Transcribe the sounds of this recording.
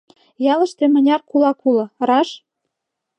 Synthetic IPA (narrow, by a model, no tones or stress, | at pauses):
jɑlə̆ʃt̪emə̆nʲɑrkulɑkulɤ̆rɑʃ